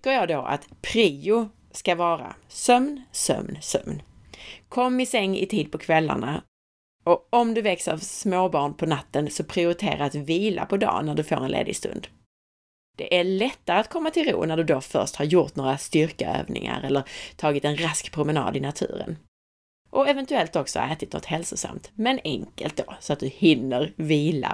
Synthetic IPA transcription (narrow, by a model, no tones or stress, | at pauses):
kːəɾjɑːd̪oːʔa̰t̪pʰɾiːʊ | skavɑːɾa̰sœmnsœ̰mnsœ̰mn | kʰɔmːɪsɛŋːɪ̰t̪ʰiːd̪̚pʰɔkʰvɛlːa̰ɳa | ɔɔmd̪ɵvɛksəavsmoːbɑːɳpʰɔnat̪ːənsɔpʰɾɪʊɾɪt̪ʰḛːɾaɾat̪viːla̰pʰɔd̪ɑ̰ːnæɖɵfo̰ːɾɛnlḛːd̪ɪst̪ɵ̰nd̪ | d̪̥ɛʔæɾɭɛt̪ːaɾəat̪kʰɔmːat̪ʰɪlɾṵːnæɖɵd̪ofœ̰ɾʂthaɾjʊɾt̪noːɾast̪ʏɾkaø̰ːvnɪ̰ŋa̰ɾɛlːəɾt̪ʰɑːɡɪt̪ɛnɾaskpʰɾʊmɛnɑ̰ːd̪ɪnat̪ʰʉ̟̰ːɾə̰n | ʔɔɛvɛnt̪ɵɛlt̪ɔksɔ̰ʔɛːt̪ɪt̪nɔ̰t̪hɛlsʊsa̰mt̪mɛnɛŋkə̰lt̪̚d̪osɔat̪̚d̪ɵhɪnːəɾviːla̰